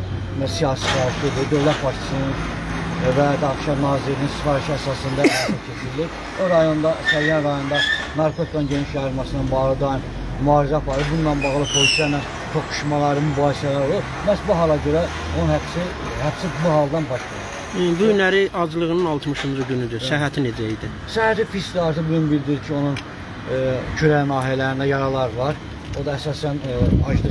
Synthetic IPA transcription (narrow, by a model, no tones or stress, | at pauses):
æsijɑːsipɑɾt̪ʰed̪id̪ø̞vlæt̪̚bɑɾt̪ʰɯ̥sɯnɯn | væd̪ɑɣʃɑnɑːzilininsi̥fɑɾiʃæsɑsɯnd̪ɑit͡ʃʰet͡ʃʰiɾliɾ | oɾɑjo̞nd̪ɑsælijænɾɑjo̞nd̪ɑ | nɑɾkʰot̪i̥kʰanɟeniʃjɑɯɾmɑsɯnɑnbɑɣlˠɯd̪ɑjɯn | myɑːɾizæpʰɑɾɯbunːɑnbɑɣlˠɯpʰo̞lisijænæn | t̪ʰokʰu̥ʃmɑlˠɑɾɯmybɑːhisælæɾo̞lˠub | mæsbuɦɑlˠɑɟø̞ɾæ | onunhæpsi | hæbsibuɦɑlˠd̪ɑnbɑʃk̪ɑ | buynæɾiʔɑd͡ʒlˠɯʁɯnɯnɑlˠt̪ʰmɯʃɯnd͡ʒɯɟynyd̪ysæɦæt̪ʰined͡ʒæid̪i | sæhæt̪ifiskd̪ɑɾt̪ɯbuunbild̪iɾicʰio̞nun | cʰyɾænɑːɦijælæɾind̪æjɑɾɑlˠɑɾlˠɑɾ | o̞d̪ɑæsɑːsænɑ̰ʃd̪ɯ